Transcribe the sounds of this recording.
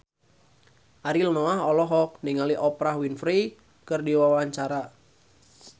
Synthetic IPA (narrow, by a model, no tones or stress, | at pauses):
ʔaɾilnɔaɦɔlɔɦɔk̚niŋaliʔɔpɾahwinfɾi | kɨrdiwawaɲt͡ʃaɾa